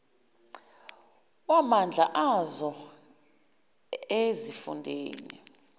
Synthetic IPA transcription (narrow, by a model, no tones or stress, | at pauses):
wamand͡ɮʱaʔazɔ | ezifṵndʱḛːnḭ